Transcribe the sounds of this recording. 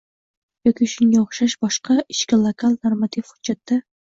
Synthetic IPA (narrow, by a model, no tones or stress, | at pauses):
jɒkʲiʊʃʊŋɡʲaoχʃaʃbɒʃqɑɪʃkʲalˠokʰalˠnoɾmat̪ʰifχʊd̪d͡ʒat̪ːa